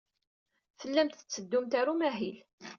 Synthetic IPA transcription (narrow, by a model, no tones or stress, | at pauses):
fəlːæmt̪θə̥t͡sːəd̪ːʊmt̪aɾumæɦil